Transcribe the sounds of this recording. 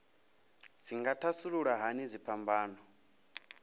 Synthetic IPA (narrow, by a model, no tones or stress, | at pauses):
d͡zʰiŋɡatʰasuɺuɺaɦanid͡zipʰambaːnɔ